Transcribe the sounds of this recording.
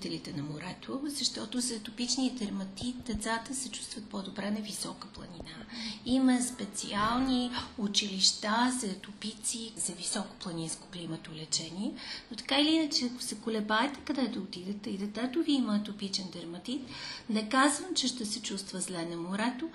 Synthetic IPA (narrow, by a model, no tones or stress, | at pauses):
t̪ɛlit̪ɛnɐmoɾɛt̪ʰozɐʃt̪ɔt̪ʊzɛt̪ʊpit͡ʃniəd̪ɛɾmɐt̪it̪d̪ɛt̪sat̪əsɛt͡ʃu̥st̪vət̪̚pod̪obɾɛnɐvisɔkəplˠɐ̰ninaimɐspɛt̪sḭalˠniʊt͡ʃiliʃt̪azɐt̪ʊpit̪sizɐvisɔko̥plˠɐninsko̥klimət̪olɛt͡ʃɛniɛnot̪ɐ̥kailiinət͡ʃɛɐkʊ̥sɛkʊlɛbaɛt̪ɛ̥kɐd̪ɛd̪ɐʊt̪id̪ət̪ɛid̪ɛt̪ɛt̪ʊviimət̪ʊpit͡ʃɛnd̪ɛɾmɐt̪it̪nɛkazvəmt͡ʃɛʃt̪ɛsɛt͡ʃust̪vəzlɛnɐmoɾɛt̪o